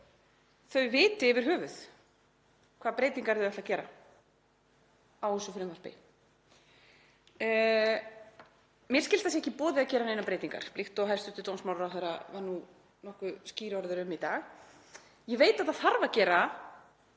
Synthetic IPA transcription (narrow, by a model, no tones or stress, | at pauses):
θœɥvɪːt̪ɪvɪɾ̥ɦœːvʏθ | kʰvaːðpɾeːjt̪iŋkaɾðʏɛht̪acɛːɾa̰ | awhɛsʏfɾʏmvaɾ̥pɪ̰ | mjɛɾskcɪlt̪θas̬jɛcɪpɔːðɪacɛːɾanejnapɾeːjt̪iŋka̰ɾ̥plɪht̪ɔɣɦɛst̪ʏ̥t̪ɪlt̪ownsmawɾawθɛɾa̰vaɾnu | nɔhkvʏsciːɾɔɾðʏɾʏmit̪aːɣ | jɛveːjt̪at̪aðθaɾvacɛːɾa